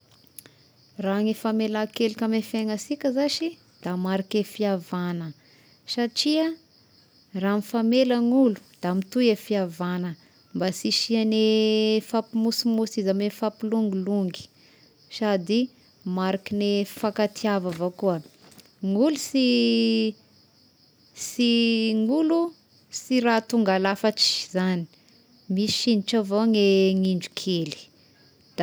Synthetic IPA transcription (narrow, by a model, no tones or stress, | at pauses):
raŋifamelakelikʲamefeŋasikʲəzaʃi | d̪̥amaɾakefiavanə | saʈ͡ʂiə | ranifameləŋulu̥d̪̥amit̪uefiavanə | mbasiʃianefapimusimusizamenfapiluŋɡiluŋɡi̥ | sad̪i | maɾakinefakat̪ʰiavavokuə | ŋulusi | siŋulu | siɾat̪uŋɡalafaʈ͡ʂi̥zani̥ | mii̥ʃiniʈ͡ʂavoŋeŋiɳɖ͡ʐukʰeli̥ | d̪̥